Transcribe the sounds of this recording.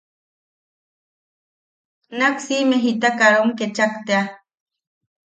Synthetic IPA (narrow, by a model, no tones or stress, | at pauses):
naksimeɦit̪akaɾomket͡ʃakt̪ea